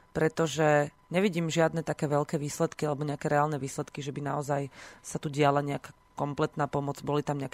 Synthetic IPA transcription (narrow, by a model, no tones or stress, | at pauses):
pɾɛt̪ɔʒɛ | ɲɛʋiɟiːmʒɪad̪nɛt̪akɛːʋɛʎkɛːʋiːslɛt̪kialɛbɔɲɛakɛːɾɛaːlnɛʋiːslɛt̪kiʒɛbinaɔzajsat̪uɟɪalaɲɛakaː | kɔmplɛt̪naːpɔmɔd͡zbɔlit̪amɲɛak